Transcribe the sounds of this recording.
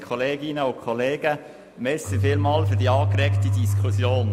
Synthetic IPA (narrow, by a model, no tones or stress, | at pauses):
kʰχɔleːɡinəʊkʰχɔleːɡ̥ə | mesifɪːlmɑːlfyɾdiɑːkɾɛktidiskχusjoːn